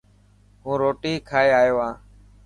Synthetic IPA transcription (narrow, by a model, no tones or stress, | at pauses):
ɦũːɾoːʈiːkʰaːeːaːjoːãː